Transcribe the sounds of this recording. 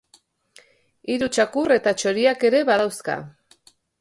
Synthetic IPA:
iɾut͡ʃakure̞t̪at͡ʃo̞ɾiake̞ɾe̞βaðawska̰

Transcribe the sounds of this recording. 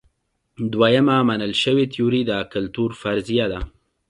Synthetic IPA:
d̪wajamamanəlʃəwet̪ijuɾid̪əkəlt̪uɾfaɾzijad̪a

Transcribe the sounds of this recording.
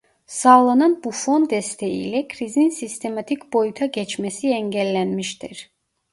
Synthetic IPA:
sɑːlˠɑnɑnbufo̞nd̪ɛst̪ʰejḭlɛkʰɾizininsist̪ʰe̞mɑt̪ʰicbo̞jut̪ʰɑɟɛt͡ʃmɛsiɛɲɟælːænmiʃt̪iɾ̥

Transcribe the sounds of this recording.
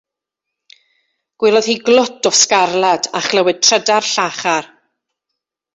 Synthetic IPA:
ɡ̥wɪlˠɔðhiɡlˠʊtʰɔskarlˠada̰χlˠəwɨd̚tʰrədarɬaχar

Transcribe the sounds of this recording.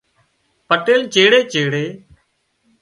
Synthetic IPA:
pəʈeːlt͡ʃeːɽeːt͡ʃeːɽeː

